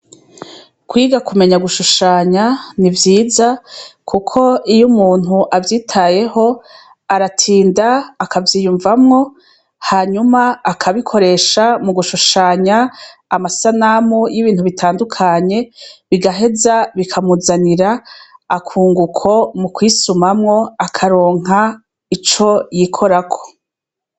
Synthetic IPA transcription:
kwiːɡakume̞ɲaɡuʃuʃaːɲanivjiːzakʰukʰo̞ijumuːn̥huʔavjiːtʰaje̞ho̞ | aɾatʰiːndaːkʰavjiːjuɱvamŋo̞ | haːɲumaːkʰaβikʰo̞ɾe̞ːʃamuɡuʃuʃaɲaːmasanamujiβiːn̥huβitʰaːndukʰaɲe̞βiɡaɦe̞zaβikʰamuzaniɾaː | kʰuːŋɡukʰo̞mukwisumamŋo̞akʰaɾo̞ːŋ̥a | it͡ʃo̞jikʰo̞ɾakʰo̥

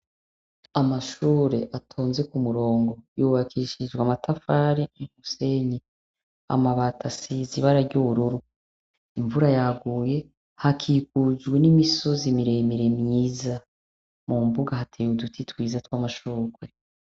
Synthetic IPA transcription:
amaʃuɾe̞ʔatʰoːnze̞kumuɾo̞ːŋɡo̞juβakʰiʃid͡ʒɡwamatʰafaɾiinuseni | a̰maβatʰasiziβaɾaɾɟuβuɾuɾu | iɱvuɾajaɡuːje̞ | hakʰikud͡ʒɡwe̞nimiso̞zimiɾe̞miɾemjiːza | mumbuɡahatʰejudutʰitwiːzatwamaʃuːɡwe

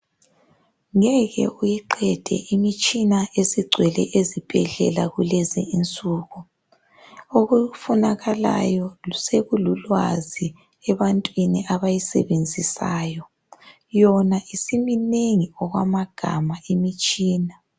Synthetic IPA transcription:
ŋɛɣɛ̰ʔujiǃɛd̥ʱɛ̰ʔimit͡ʃʼinaeziɡ͡ǀʱwɛlɛ̰ʔezib̥ʱɛɮɛ̰laɣulɛzɛ̰int͡sʼuːɣu | oɣufunaɣala̰jɔuseɣululwa̰zi | ɛβantʼwiniʔaβajisɛ̰βend͡zʱisaːjɔ | jɔnaisimineŋiɔɣwa̰maɡ̥ʱamaimit͡ʃʼiːna

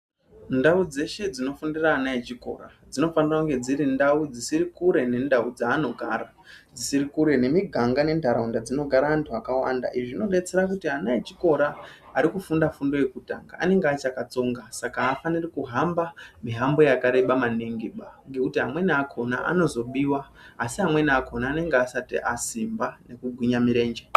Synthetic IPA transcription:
ndaud͡ze̞ʃe̞d͡zino̞fundiraːnaet͡ʃiko̞̰ɾa | d͡zino̞fanirakuŋɡe̞d͡ziɾindaud͡zisiɾikuɾe̞nendaud͡zaːno̞ɡʱaːɾa | d͡zisiɾikuɾe̞ne̞miɡʱaŋɡane̞ndʱaɾaundad͡zino̞ɡʱaɾaːntʰuakawa̰nda̰ʔiʐino̞ɗe̞t͡se̞ɾakutianaet͡ʃiko̞ɾaː | ɾikufundafundo̞je̞kuta̰ŋɡa̰a̰ne̞ŋɡeat͡ʃakat͡so̞ŋɡasakaːfanirikuɦambamiɦambo̞jakaɾe̞ɓamaneŋɡeɓaŋɡekutiɦamwe̞niakʰo̞na̰a̰no̞zo̞ɓiwaː | siɦamwe̞niakʰo̞naːne̞ŋɡeasatḭʔasimbane̞kuɡʱwiɲamiɾe̞ːnd͡ʒe

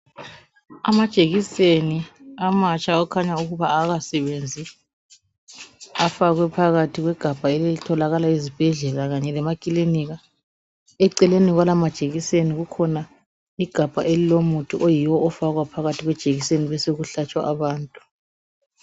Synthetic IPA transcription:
a̰mad̥ʒ̥ʱeɣiseniamat͡ʃʼaɔkʰaɲauɣuβaːɣasɛβend͡zʱi | afaɣwɛpʰaɣatʰiɣwɛɡ̥ʱab̥ʱaɛlɛlitʰɔlaɣalaizib̥ʱɛɮɛlaɣaɲɛlɛmakʼiliniɣa | ɛǀɛleniɣwalamad̥ʒ̥ʱeɣiseniɣukʰɔna | iɡ̥ʱab̥ʱa̰ʔelilomutʰuʔojiwɔːfaɣwapʰaɣatʰiɣwɛd̥ʒ̥ʱeɣiseniβɛseɣuɬat͡ʃʼwa̰ʔaβaːntʼu

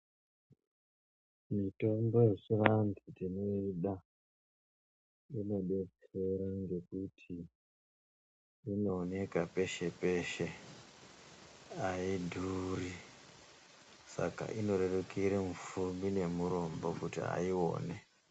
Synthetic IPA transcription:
mito̞mbo̞je̞t͡ʃirand͡zitino̞iɗa | ino̞ɗe̞t͡se̞ɾaŋɡe̞kutʰi | no̞ːne̞kape̞ʃe̞pe̞ːʃe̞ | aidʱuri | sa̰ka̰ʔino̞ɾe̞rukiɾemufumbine̞muɾo̞mbo̞kutḭa̰io̞̰ːne

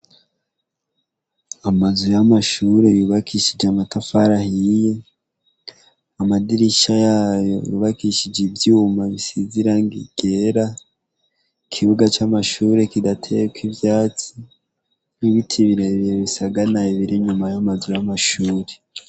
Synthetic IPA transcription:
amazujamaʃuɾe̞juːβakʰiʃid͡ʒeamatafaɾahije | amadiɾiʃajaːjo̞̰jṵβakiʃid͡ʒivjuːmaβisiziɾaŋɡiɡ̥eːɾa | kʰiβuɡat͡ʃamaʃuːɾe̞kidatʰejekwivjaːt͡si | niβitʰiβiɾeβiɾeβisaɡanaiβiɾiɲumajamazujamaʃuːɾe

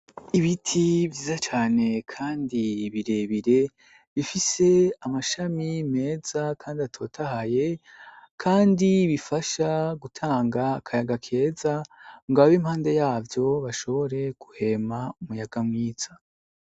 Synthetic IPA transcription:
iβitʰiβɟiːzat͡ʃaːne̞kʰaːndiβiɾe̞βiɾe̞ | βifise̞amaʃamime̞ːz̥akʰaːndiatʰo̞ːtʰahaje̞ | kʰaːndiβifaʃaɡutʰaːŋɡakʰajaɡakʰe̞ːzaŋɡaβaβimhaːnde̞jaːvjo̞βaʃo̞βo̞ɾe̞ɡ̥uhe̞maumujaɡamŋiːz̥a

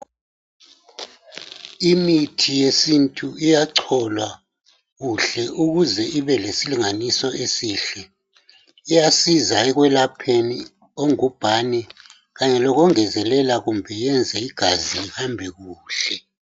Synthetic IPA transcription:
imitʰijesintʼuijaǀʰɔlwa | ɣuɬɛʔuɣuzɛʔiβɛlesiliŋanisɔʔesiːɬɛ | ijasizaɛɣwɛlapʰeni | oŋub̥ʱanɛ | ɣaɲɛlɔɣɔŋɛzɛlɛlaɣumbʱɛjɛnd͡zʱɛiɡ̥ʱaziɣambʱɛɣuːɬɛ

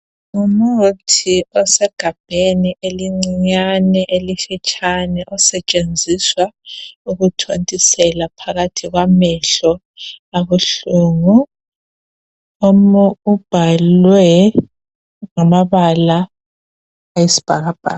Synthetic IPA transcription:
ŋumutʰiɔsɛɡ̥ʱab̥ʱeniʔeliŋ͡ǀiɲanɛʔelifit͡ʃʼanɛʔɔsɛt͡ʃʼend͡zʱiswauɣutʰontʼisɛlapʰaɣatʰiɣwamɛɬɔ | aβuɬuːŋu | omuub̥ʱalwɛ | ŋamaβala | jisi̥b̥ʱaɣab̥ʱa̰ː

